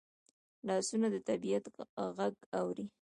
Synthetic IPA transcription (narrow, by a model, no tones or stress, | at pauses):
lɑsunad̪ət̪abijat̪ɣaɡawɾi